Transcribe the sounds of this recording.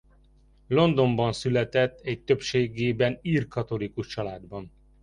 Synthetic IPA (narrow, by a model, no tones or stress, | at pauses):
lo̞nd̪o̞mbɒnsylɛt̪ɛt̪ːɛc̚t̪øpʃeːɡeːbɛniːrkɒt̪o̞likuʃt͡ʃɒlaːd̪bɒn